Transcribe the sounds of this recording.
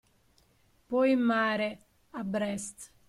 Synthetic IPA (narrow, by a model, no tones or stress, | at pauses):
pɔjmːaːɾe | abɾɛst̪